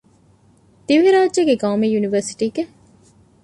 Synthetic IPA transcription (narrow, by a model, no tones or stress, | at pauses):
d̪̥iʋiɾaːʒeɡeɡaːmijuniʋɐɾsi̥ʈiːɡe